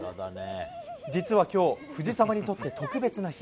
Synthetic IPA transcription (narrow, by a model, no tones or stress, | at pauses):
d͡ʑit͡sɨβakʲo̞ːɸɯ̟ʑisamaɲ̟it̪o̞t̪ːe̞t̪o̞kɯ̟be̞t͡sɨnai̥